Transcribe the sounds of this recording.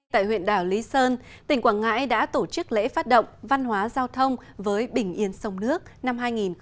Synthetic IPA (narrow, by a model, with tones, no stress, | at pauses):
t̪a̰ː˧˨jhwḭ˧˨ənɗaː˧˩wli˨˦səː˧n | t̪ï˨˩ŋ̟kwaː˧˩nŋa̰ː˧˥jɗa̰ː˧˥t̪o˧˩t͡ɕɨ˦˥k̚lḛ˧˥faː˦˥t̚ɗə̰˧˨wŋ͡mva˧nhwaː˨˦zaː˧wt̪ʰə˧wŋ͡mvəː˨˦jɓï˧˩ŋ̟ʔi˧˩ənsə˨˧wŋ͡mnɨ˦˥ək̚na˧mhaː˧jŋi˨˩n